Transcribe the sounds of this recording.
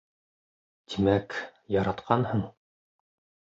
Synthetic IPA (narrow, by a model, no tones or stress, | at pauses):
t̪ʰimækjɑɾɑt̪qʰɑnhɤɴ